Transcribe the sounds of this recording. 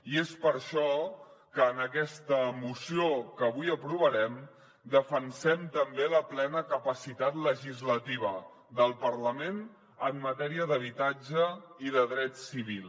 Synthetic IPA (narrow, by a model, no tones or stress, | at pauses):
iespəɾʃɔkəːnəkɛst̪əmusiokəβujəpɾuβəɾɛm | d̪əfənsɛmt̪əmbeləplɛnəkəpəsit̪at̪ləʒizlət̪iβ̞ə | ðəlˠpəɾləmen | əmːət̪ɛɾiəðəβ̞it̪ad͡ʒəiðəðɾɛt̪siβ̞ilˠ